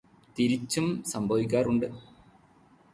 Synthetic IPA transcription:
t̪iɾit͡ɕːumsɐmbʱɐʋikʲːaːruɳɖɨ

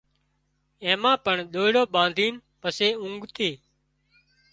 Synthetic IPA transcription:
ẽːmãːpəɳɗ̪oːɽoːɓãːnd̪ʱiːn | pəseːʊ̃ŋɡʱt̪eː

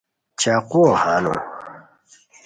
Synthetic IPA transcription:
t͡ɕaːqwohaːno̰

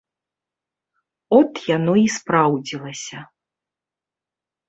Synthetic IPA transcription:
ɔt̪janɔispɾawd͡zʲilˠɐsʲɐ

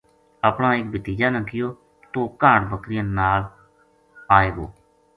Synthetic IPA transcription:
aːpɳãːɪk̚bət̪iːd͡ʒaːnãːkɪjoː | t̪õːkaːɳbəkɾɪjənaːl | aːeːɡoː

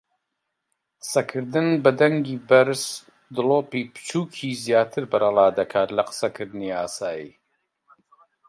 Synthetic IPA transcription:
qɨ̥sɐkʰɨɾd̪ɨnbɐd̪ɐŋɡiːbɐɾs | d̪ɨloːpiːpɨ̥t͡ʃʰuːkʰiːzjaːt̪ʰɨɾbɐɾɐlˠaːd̪ɐkʰaːt̪lɐqə̥sɐkʰɨɾd̪ɨniaːsaːjḭː

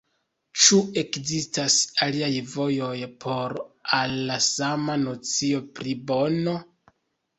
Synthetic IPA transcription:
t͡ʃue̞kzistasaliajvo̞jo̞jpʰo̞ɾalːasamano̞t͡sio̞pɾibo̞no

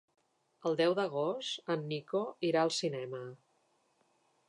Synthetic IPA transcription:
əlˠd̪ɛwðəɣ̞ost̪ənːikoiɾaəlˠsinɛmə

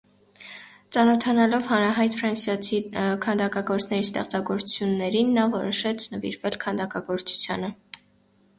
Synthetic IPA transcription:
t͡sɑnɔt̪ʰɑnɑlɔvhɑnɾɑɦɑjt̪fɾɑnsjɑt͡sʰikʰɑnd̪ɑkɑɡɔɾt͡sʰnɛɾist̪ɛχt͡sɑɡɔɾt͡su̥t͡sʰjunːɛɾinːɑvɔɾɔʃɛt͡sʰnəvḭɾvɛlkʰɑnd̪ɑkɑɡɔɾt͡sʰu̥t͡sʰjɑ̰nə

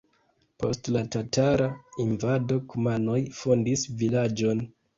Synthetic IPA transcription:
po̞̰stlatataɾainvado̞kumano̞jfondisvilad͡ʒo̞n

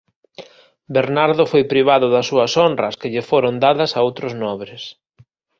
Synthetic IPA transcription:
beɾnaɾðʊfojpɾiβ̞aðʊðɐsːuɐsɔndrɐskɪʎɪfoɾʊnd̪aðɐsaowt̪ɾʊznɔβɾɪs

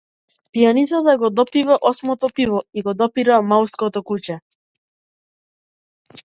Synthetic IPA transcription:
pijanit̪sat̪aɡɔd̪ɔpivaʔɔsmɔt̪ɔpivɔiɡɔd̪ɔpiɾamalskɔt̪ɔkut͡ɕɛ

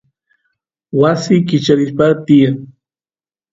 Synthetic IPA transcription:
wasikɪt͡ʃaɾɪspat̪ia

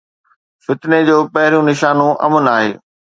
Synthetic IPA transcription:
fɪt̪ɪned͡ʑoːpɐɦɪɾijũnɪʃaːnũʔɐ̰mənaːɦḛː

